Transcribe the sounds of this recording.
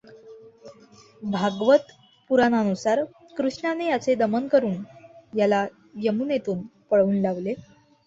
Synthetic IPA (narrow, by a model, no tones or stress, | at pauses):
bʱaɡʋət̪ | puɾanənusaɾ | kɾuʂɳanejat͡sed̪əmənkəɾuːnjala | ʋjəmunet̪uːnpəɭuːnlaʋle